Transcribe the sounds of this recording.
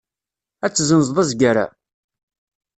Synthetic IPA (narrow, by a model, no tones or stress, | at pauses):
æt͡sːzənzðˤɑzɡaɾa̰